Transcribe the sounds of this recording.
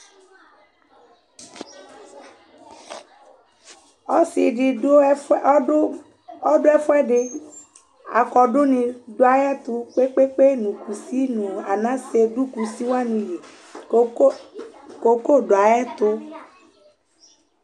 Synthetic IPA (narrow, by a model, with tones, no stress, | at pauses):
ɔ˦si˨ɖi˨o˦ | ɔ˦ɖo˦ɛ˦fɔ˦ɛ˦ɖɪ˦ | a̰˨kɔ˨ɖo˦nĩ˨ɖo˦a˨jɛ˦t̪u˦k͡pe˦k͡pe˦k͡pe˦nũ˨ku˨si˦nũ˨a˨nã˦se˨ɖu˦ku˨si˦wa˦nũ˨ji˨˦ | ko˨ko˦˨ɖo˨a˨jɛ˦t̪o˦